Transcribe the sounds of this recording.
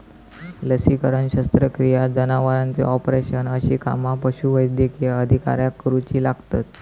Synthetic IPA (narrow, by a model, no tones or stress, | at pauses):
ləsikəɾənɕəst̪ɾəkɾijad͡zənaʋaɾãnt͡sḛɔpɾeɕənəɕika̰mapəɕuʋəjd̪jekeəd̪ʱika̰ɾjakːɾut͡ɕiːlaɡt̪at̪